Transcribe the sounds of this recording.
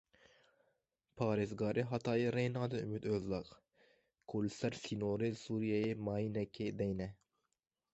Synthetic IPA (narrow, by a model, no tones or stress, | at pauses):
pʰɑːɾɪzɡɑːɾʔɨɦɑt̪ʰɑːjiɾenɑːd̪ɨymyt̪øzlɑq | kʰolsæɾsinoɾɨɪsuɾijɛjimɑːjinɛkʲʰːɪd̪ɛjnɛ